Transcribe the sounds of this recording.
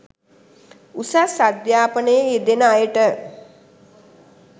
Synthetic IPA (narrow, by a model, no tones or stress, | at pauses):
usasad̪jaːpənəjəed̪enəajəʈə